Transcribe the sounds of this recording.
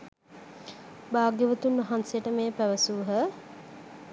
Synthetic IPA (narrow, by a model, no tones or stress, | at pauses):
baːɡeʋət̪unʋɐɦansejəʈəmeːpæʋəsuːɦə